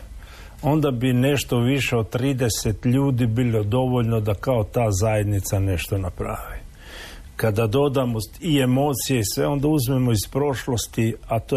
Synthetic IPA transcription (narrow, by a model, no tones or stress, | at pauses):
o̞nd̪abine̞ʃt̪o̞ʋiʃe̞o̞d̪̚t̪ːɾiːd̪e̞set̪ʎuːd̪ibiːlo̞d̪o̞ʋo̞ʎnod̪akao̞t̪aːzaje̞d̪nit̪sane̞ʃt̪o̞napɾa̰ʋi | kad̪ad̪o̞d̪amoie̞mo̞ːt̪sije̞isʋe̞o̞nd̪auzme̞mo̞ispɾo̞ʃlo̞st̪iat̪o